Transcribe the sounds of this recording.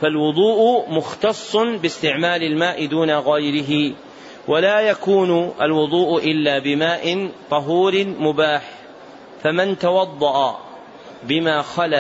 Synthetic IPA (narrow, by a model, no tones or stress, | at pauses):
falwʊd̪ˤuːʔʊmʊxt̪ɑsˤːʊnbɪst̪ɪʕmaːlɪlmaːʔɪd̪uːnaɣajɾɪɦɪ | wʔalaːjakuːnʊʔa̰lwʊðˤuːʔʔɪlːaːbɪmaːʔɪnt̪ˤɑɦuːɾɪmʊbaːħ | famɪnt̪awɑd̪ˤːɑʔa̰ | bɪmaːxala